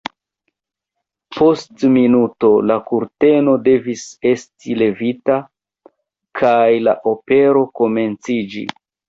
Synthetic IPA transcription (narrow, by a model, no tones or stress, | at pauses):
po̞stminuto̞lakuɾte̞no̞de̞vise̞stile̞vita | kʰajla̰ʔo̞pe̞ɾo̞ko̞me̞nt͡sid͡ʒḭ